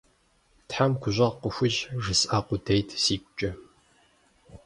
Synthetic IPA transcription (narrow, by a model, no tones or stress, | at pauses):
tħamkʷʰʊʑʷɐʁqʷəxʷʊʒʐɨsʔaqʷʊdʰejtʰsiːkʷʼʊt͡ʃʼɪ